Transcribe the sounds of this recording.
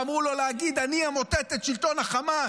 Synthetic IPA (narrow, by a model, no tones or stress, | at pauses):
amʁulo̞leaɡid̪aniamo̞t̪et̪etʃilt̪o̞naχama